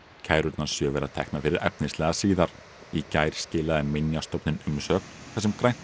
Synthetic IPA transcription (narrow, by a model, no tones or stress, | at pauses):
cʰaːjɾʏt̪nasjœːvɛɾaðt̪ʰɛ̰hknafɪɾɪɾɛ̰pnɪnslɛːɣasiːðaɾ̥ | icaːjɾ̥scɪːlaðɪmɪnjast̪ɔwpnɪnʏmsœːknθɛs̬ɛmkɾajn̥t̪